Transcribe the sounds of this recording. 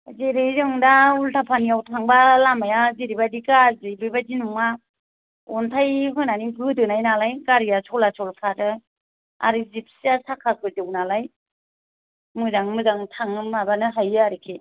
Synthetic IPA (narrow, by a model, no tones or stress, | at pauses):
zeɾejzɯŋdaultʰapʰanijawtʰaŋbalamajaziɾibadikazɯjbibadinuŋa | ɔntʰajɦɯnaniɡɯdɯnajnalajɡaɾijasʰɔlasʰɔlkʰadɯ | a̰ɾɯzip̚ʰsiasakʰakʰɯzɯwnalaj | mɯzaŋmɯzaŋtʰaŋɯmabanɯɦajɯaɾikʰe